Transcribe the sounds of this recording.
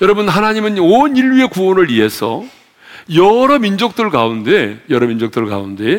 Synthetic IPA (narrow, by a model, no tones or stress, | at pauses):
jʌɾʌbunɦanaɲimɯnoɲiɭɥie̞kuonɯɭie̞sʰʌ̰ | jʌɾʌmind͡ʑok̚t͈ɯɭkaunde̞jʌɾʌmind͡ʑok̚t͈ɯɭka̰unde̞